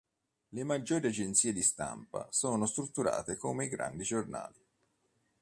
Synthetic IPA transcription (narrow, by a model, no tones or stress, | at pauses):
lemad͡ʒːoːɾiad͡ʒent̪siːed̪ist̪a̰mpa̰soːnost̪ɾut̪ːuɾa̰ːt̪ekoːmeiɡɾa̰nd̪id͡ʒorna̰ːli